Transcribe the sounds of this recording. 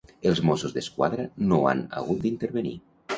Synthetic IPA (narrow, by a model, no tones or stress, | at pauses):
elˠzmosuzðeskwa̰ðɾanoa̰nə̰ɣ̞ut̪̚d̪int̪eɾβenḭ